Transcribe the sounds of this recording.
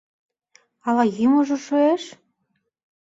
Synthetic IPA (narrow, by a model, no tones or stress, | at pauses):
ɑlɑjimŏʒɤ̆ʃøeʃ